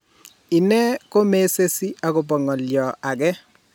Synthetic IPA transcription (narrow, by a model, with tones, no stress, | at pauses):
ɪ˨nɛ˦ko˦me˦se˦si˦a˨ko˨p̬ɔ˨ŋɔ˨ljɔ˨a˨kɛ˦